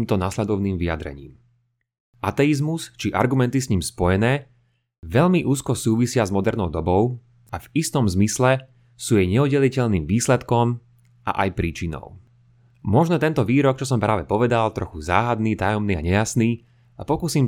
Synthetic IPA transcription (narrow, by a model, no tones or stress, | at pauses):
mt̪ɔnaslɛd̪ɔʊniːmʋija̰d̪ɾɛ̰ɲḭːm | ʔat̪ɛizmust͡ʃiʔa̰ɾɡumɛnt̪isɲiːmspɔjɛnɛː | ʋɛʎmiʔuːskɔsuːʋisɪazmɔd̪ɛɾnɔʊd̪ɔbɔʊ | ʔavist̪ɔmzmislɛ | suːjɛjɲɛudɟɛlicɛʎniːmʋiːslɛt̪kɔm | ʔa̰ʔajpɾiːt͡ʃinɔ̰ʊ | mɔʒnɔt̪ɛnt̪ɔʋiːɾɔk̚t͡ʃɔsɔmpɾaːʋɛpɔʋɛd̪alt̪ɾɔxuza̰ːɦad̪niːt̪ajɔmniːa̰ɲɛjasniː | apɔkusiːm